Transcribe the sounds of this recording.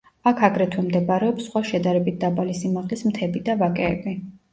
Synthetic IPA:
akʰaɡɾɛt̪ʰwɛmd̪ɛbaɾɛɔpsχwaʃɛd̪aɾɛbit̪̚ʰd̪abalisimaʁlismt̪ʰɛbid̪avakʼɛːbi

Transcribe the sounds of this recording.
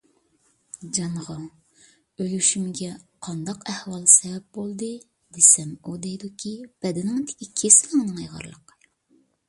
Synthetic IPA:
d͡ʒɑnʁɑ | ølʲyʃymɪɡʲɛqʰɑnd̪ɑqɛhwɑlˠsɛwɛp̚bolˠd̪ɨ | d̪̥esɛmud̪ɛjd̪ukʲʰib̥ɛd̪ɪnɪŋt̪ʰɪ̥kʲikʲʰesɪlɪŋnɨŋjəʁɑ̰ɾlˠə̰qɨ̥

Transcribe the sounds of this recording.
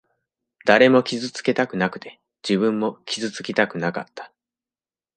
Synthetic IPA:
d̪̥aɾe̞mo̞kʲizɨt͡sɨ̥ke̞t̪akɯ̟nakɯ̟̥t̪e̞ | d͡ʑibɯ̟̃mːo̞kʲizɨt͡sɨ̥kʲit̪akɯ̟naka̰t̪ːḁ

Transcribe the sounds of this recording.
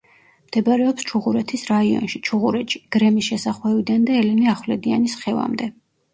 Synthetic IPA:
md̪̥ɛbaɾɛɔpst͡ʃʰuʁuɾɛt̪ʰisɾaiɔ̰nʃit͡ʃʰuʁuɾɛt̪ʃi̥ɡ̥ɾɛmisʃɛsaχwɛvid̪and̪aɛlɛniaχwlɛd̪ianisχɛva̰md̪ɛ

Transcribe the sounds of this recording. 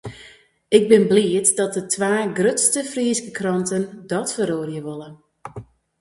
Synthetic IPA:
ɪɡ̚bɪnbliətdɔt̚dətʰʋaːɡrøtstəfriːskəkrɔntəndɔtfəɾoːrjəʋolə

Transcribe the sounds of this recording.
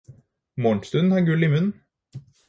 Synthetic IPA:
mɔːɳst̪ʉnn̩hɑːɾɡʉlɪmʉnn̩

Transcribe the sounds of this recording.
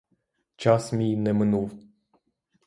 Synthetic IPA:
t͡ʃasminemɨnuv

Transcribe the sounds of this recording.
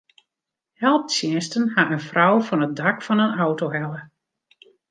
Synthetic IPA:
hɛlˠp̚sjɪəstənhaənfrɔwfɔnət̚dɑkfɑnənawtoɦɛlˠə

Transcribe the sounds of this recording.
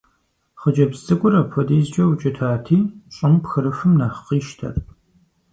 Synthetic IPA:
χəd͡ʒɐbzzʼɨkʷʼʊɾɐpʰɔdiːzd͡ʒʼɐwt͡ʃʼɐtʰaːtʰiːɕʼɪmpxɨɾɨfɨmnaχqiːʃtʰɐ̰r

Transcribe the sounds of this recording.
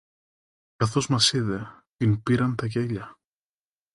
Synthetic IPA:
kɐθo̞zmɐsiðe̞ | t̪inpiɾɐnt̪ɐʝeʎɐ

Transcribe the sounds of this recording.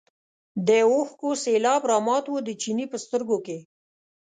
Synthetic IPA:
d̪eoxkoselɑbɾɑmɑt̪wəd̪ət͡ʃinipəst̪əɾɡoke

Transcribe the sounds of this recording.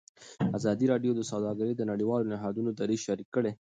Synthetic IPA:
azɑd̪iɾɑɖjod̪əsawd̪ɑɡaɾed̪ənaɽiwɑlonɪɦɑd̪unod̪aɾizʃaɾikːəɽe

